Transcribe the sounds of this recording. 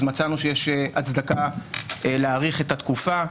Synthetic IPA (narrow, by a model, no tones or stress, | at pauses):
zmat͡sanuʃejeʃeat͡sd̪akaeleaːʁiχe̞t̪at̪kufa